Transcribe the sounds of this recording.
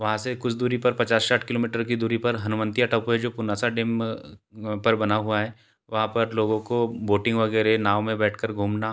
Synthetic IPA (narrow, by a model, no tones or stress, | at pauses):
ʋɐɦãsekʊt͡ʃʰd̪uːɾipɐɾpɐt͡ʃaːsʃaːʈʰkɪloːmiːʈəɾkid̪uːɾipɐɾɦɐnʊmə̃nt̪ijaʈɐːpoɦɛd͡ʒoːpʊnaːsaɖeːm | pɐɾbɐnaɦuaɦɛː | ʋɐɦãpɐɾloːɡõkoboːʈɪ̃ŋɡʋɐɡɛːɾenaːʋmẽbɛːʈʰkəɾɡʱuːmna